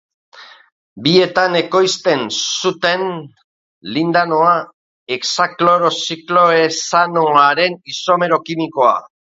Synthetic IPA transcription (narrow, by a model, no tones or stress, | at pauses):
bie̞t̪ane̞ko̞jst̪e̞nsut̪e̞n | lind̪ano̞a | eksaklo̞ɾo̞siklo̞esanoaɾe̞niso̞me̞ɾo̞kimiko̞a̰